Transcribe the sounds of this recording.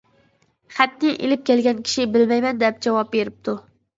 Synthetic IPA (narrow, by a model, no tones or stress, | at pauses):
χat̪̚nɪʔḛlɪp̚kʲʰelɡʲankʲʰɪ̥ʃɪbɪlmajmand̪ɛp̚d͡ʒavɒp̚be̞ɾɪp̚t̪ʰʊ